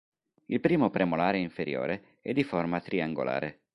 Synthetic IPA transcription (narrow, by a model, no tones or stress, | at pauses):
ilpɾiːmopɾemolaːɾeiɱfeɾjo̰ːɾe | ɛd̪ːiformat̪ɾiaŋɡo̰lʔa̰ːɾe